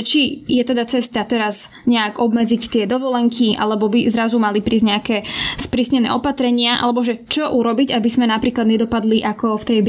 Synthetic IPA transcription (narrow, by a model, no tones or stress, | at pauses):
t͡ʃijɛt̪ɛd̪at͡sɛst̪at̪ɛɾaz | ɲɛakɔbmɛd͡zict̪ɪɛd̪ɔʋɔlɛŋkʰiʔa̰lɛbɔbizɾazumalipɾiːzɟɲɛakɛːspɾiːsɲɛnɛ̰ːɔpat̪ɾɛɲɪaʔa̰lɛbɔʒɛt͡ʃɔʔuɾɔbiɟabizmɛnapɾiːklad̪ɲɛd̪ɔpad̪liʔakɔft̪ɛjb